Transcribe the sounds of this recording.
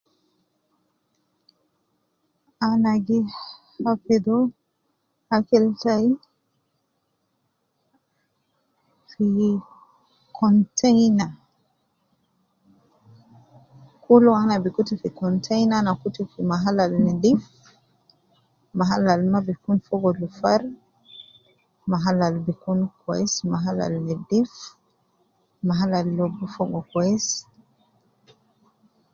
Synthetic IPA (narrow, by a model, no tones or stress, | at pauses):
anaɡi | afɛd̪ɔ | hakɛltai | fi | kʰɔntʰɛjna | kulɔanabikutifikɔntʰajnanakutifimaɦalalnɛdif | maɦalalmabikunfɔɡɔlufaɾ | maɦalalbikunkɛsmaɦala̰lnɛdif | maɦalalːɔbufɔɡɔkɔɛs